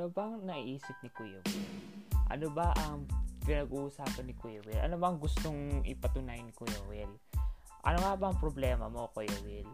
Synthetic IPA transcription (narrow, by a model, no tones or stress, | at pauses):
nobɐŋnɐiʔiːsɪp̚nɪkujowɪʔɐ̰nobɐʔɐŋpɪnɐɡuʔsaːpɐnːɪkujowɪlʔɐ̰nobɐɐŋɡʊst̪oŋʔɪ̰pɐt̪ʊnajnɪkʊjowɛl | ʔɐ̰noŋabɐɐŋpɾoblɛːmɐmokojowɪl